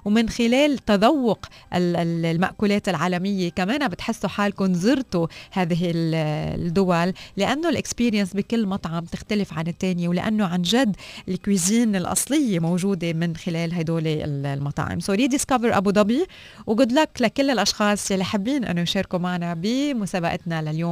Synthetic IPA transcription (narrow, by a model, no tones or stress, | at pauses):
wmɪnxɪleːlt̪ad̪ˤɑwːʊqʔɪllma̰ʔkuːleːt̪ɪlʕaːlamɪjːekameːnabɪt̪ħɪsːuħaːlkʊnzɨɾt̪ohaːðɪɦɪld̪ːʊwalːɪʔanːolʔɪkspiːɾijansbikɪlːmɑt̪ˤʕɑmt̪ɪxt̪alɪfʕanɪt̪ːeːnjewlɪʔa̰nːoʕanʒad̪ːɪlkwiːziːnɪlʔɑ̰sˤlɪjːemowʒuːd̪emɪnxɪleːlɦajd̪oːlḛllmɑt̪ˤɑ̰ʕɪ̰msoliːd̪ɪskavəɾʔa̰bud̪ˤɑbi | wɡʊd̪laklakɪlːɪlʔɑʃxɑːsˤjalːiħabːiːnʔɪ̰nːojʃeːɾkumaʕnabɪmʊsaːbaʔɪt̪nalaljoːm